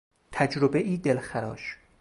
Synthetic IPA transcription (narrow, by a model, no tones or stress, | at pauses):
t̪ʰæd͡ʒɾobeʔiːd̪elxæɾɒ̰ːʃ